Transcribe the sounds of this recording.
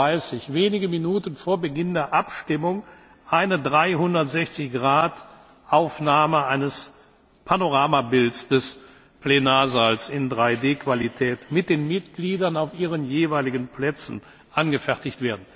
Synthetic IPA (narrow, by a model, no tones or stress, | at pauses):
aɪsɪçveːnɪɡəminuːtən̩foːɐbəɡɪndeːɐʔapʃtɪmʊŋ | ʔaɪnədʁaɪɦʊndɐtz̥ɛçt͡sɪçɡ̥ʁaːt | ʔaʊfnaːməʔaɪnəs | pʰanoʁaːmabɪlsd̥ɛs | plenaːɐzalsɪndʁaɪdeːkv̥alitʰɛːtmɪt̚d̥eːnmɪtɡ̥liːdɐnaʊfʔiːʁ̞ənjeːvaɪlɪɡən̩pʰlɛt͡sn̩ | ʔanɡəfɛɐtɪçtv̥eːɐdn̩